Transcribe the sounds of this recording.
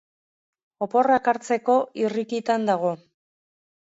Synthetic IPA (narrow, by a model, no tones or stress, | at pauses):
o̞po̞rakaɾt͡se̞ko̞irikit̪and̪aɣ̞o̞